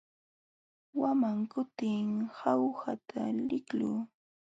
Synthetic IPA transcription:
wamaŋkʊt̪ɪŋhawhat̪ʰalɪkluː

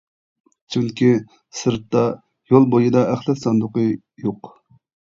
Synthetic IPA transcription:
t͡ʃʰyŋkʲʰi | sɨɾt̪ːɑ | jolˠbojɨd̪ɑʔæχlˠɛt̪sɑnd̪ʊqə | joq

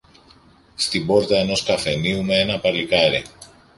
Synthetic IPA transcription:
st̪ibo̞ɾt̪ɐeno̞skɐfe̞niumeenɐpɐɾlikɐɾi

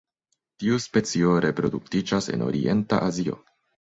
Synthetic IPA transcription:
tiuspe̞t͡sio̞ɾe̞pɾo̞duk̚tid͡ʒase̞̰no̞̰ɾḭʔe̞nta̰ʔazio̞̰

